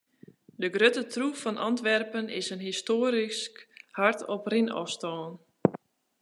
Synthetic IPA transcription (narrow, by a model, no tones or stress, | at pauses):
dəɡrøtətʰrufɔnʔɑ̰ntʋɛrpənɪ̰sənɦistoːɾiskhartʰɔprinɔ̰fstɔːn